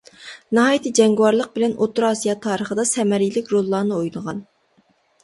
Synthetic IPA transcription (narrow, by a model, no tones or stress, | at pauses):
nɨɦɑːjt̪ʰɨd͡ʒɛŋɡwɑɾlˠəq̚bɪlɛnʔot̪ʰʊɾɑːsijɑt̪ʰɑːɾəχəd̪ɑsɛmɛɾilɪkʲɾolˠːɑːnɨojnəʁɑn